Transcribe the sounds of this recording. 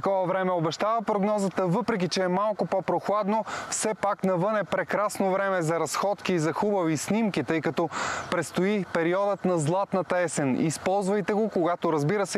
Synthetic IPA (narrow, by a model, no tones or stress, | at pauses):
t̪ɐkɔvɐvɾɛmɛobɛʃt̪avɐpɾoɡnɔzət̪əvɤpɾɛk̬it͡ʃɛːmalˠkopopɾoxlˠad̪nofsɛpaknɐvɤnɛpɾɛkɾasnovɾɛmɛzɐɾɐsxɔt̪kiːzɐxubɐvisnimkʲit̪ɤjkɐt̪ɔpɾɛt̪st̪oipɛɾiɔd̪ət̪nɐzlˠat̪nɐt̪ɐɛsɛnḭspɔlˠzvɐjt̪ɛɡokoɡat̪oɾɐzbiɾəsɛ